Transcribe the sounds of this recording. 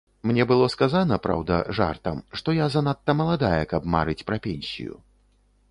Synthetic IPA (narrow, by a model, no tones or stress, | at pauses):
mnʲɛbɨlˠɔskazanɐpɾa̰wd̪ɐ̰ʐa̰rt̪ɐmʂt̪ɔjazanat̪ːɐmɐlˠad̪ajɛkɐbma̰ɾɨt͡sʲpɾɐpʲɛnʲsʲḭjṵ